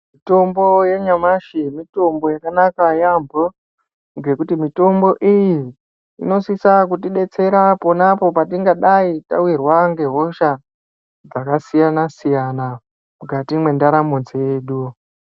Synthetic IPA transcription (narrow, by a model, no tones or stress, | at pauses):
mito̞mbo̞je̞ɲamaʃimito̞mbo̞jakanakajambo | ŋɡe̞kutimito̞mbo̞ʔijḭː | no̞sisakutiɗe̞t͡se̞ɾaponapo̞patiŋɡaɗaita̰wirwaŋɡe̞ɦo̞ʃa | d͡zakasijanasijana | muɡatimwe̞ndaɾamond͡zejeɗu